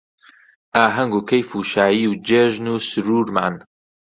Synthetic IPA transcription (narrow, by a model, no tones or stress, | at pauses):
ʔaːɦɐŋɡukʰɐjfuːʃaːjiːwd͡ʒeːʒnuːsɨɾuːɾma̰ːn